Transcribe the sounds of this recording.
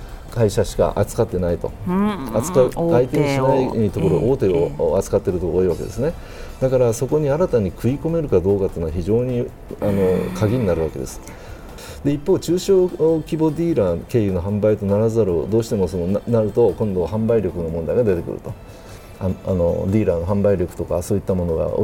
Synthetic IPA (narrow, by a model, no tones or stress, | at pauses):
kaiɕaɕi̥ka̰ʔa̰t͡sɨ̥kat̪ːe̞nait̪o̞at͡sɨ̥kaait̪eɲĩɕinait̪o̞koɾoʔoːt̪e̞oat͡sɨ̥kat̪ːe̞ɾɯ̟t̪okoːiβake̞d̪e̞sɨne̞ | d̪̥akaɾaso̞ko̞ɲ̟iaɾat̪aɲ̟ikʰɯ̟iko̞me̞ɾɯ̟kad̪o̞ːkat̪ːeːnaçiʑo̞ːɲ̟i | ano̞̰kʰaɡʲiɲ̟inaɾɯ̟βake̞d̪e̞̰sɨ̥ | d̪̥e̞ipːo̞ːt͡ɕɨːɕo̞ːkʲibo̞d̪ʲiːɾake̞ːjɯ̟no̞ɦãmbait̪o̞naɾazɨaɾod̪o̞ːɕi̥t̪e̞mo̞so̞nonnaɾɯ̟t̪o̞kõ̞nd̪o̞ɦãmbaiɾʲo̞kɯno̞mond̪aiɡad̪e̞t̪e̞kɯ̟ɾɯ̟̰t̪o̞ | haa̰no̞̰d̪ʲiːɾano̞ɦãmbaiɾʲo̞kɯ̟̥t̪o̞ka̰soːit̪ːamo̞no̞ɡa̰o̰